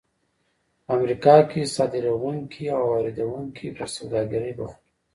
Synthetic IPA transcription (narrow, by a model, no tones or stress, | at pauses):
amɾikɑkisɑd̪ɪɾawuŋkʰiawɑɾed̪awuŋkʰip̪aɾsawd̪ɑɡaɾəjbaxi